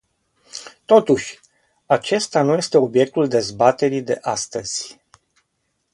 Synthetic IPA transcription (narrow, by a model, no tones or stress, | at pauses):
t̪o̞t̪uʃʲ | at͡ʃe̞st̪anujest̪eo̞bje̞k̚t̪uld̪e̞zbat̪e̞ɾid̪e̞̰ʔast̪əz̥ʲ